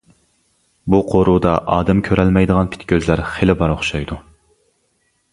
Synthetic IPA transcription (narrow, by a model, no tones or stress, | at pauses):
buqʰoɾud̪ɑʔɑːd̪ɛmkʲʰøɾɛlmɛjd̪əʁɑnpʰi̥t̪kʲʰøzlæɾχelɪbɑɾoχʃɑjd̪u